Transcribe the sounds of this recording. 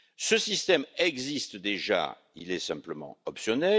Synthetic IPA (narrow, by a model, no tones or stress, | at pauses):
səsist̪ɛmɛɡzist̪d̪eʒa̰ | ḭlɛsɛ̃pləmɑ̰̃ɔpsjɔnɛ